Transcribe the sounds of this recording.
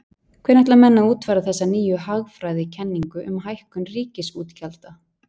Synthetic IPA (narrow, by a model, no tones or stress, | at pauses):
kʰvɛːɾnɛht̪lamɛnːauːt̪faɾaθɛsːaniːjʏɦaɣfɾajðɪcʰɛnːiŋkʏʔʏ̰mɦajhkʏnriːcɪsuːt̪cʰalt̪a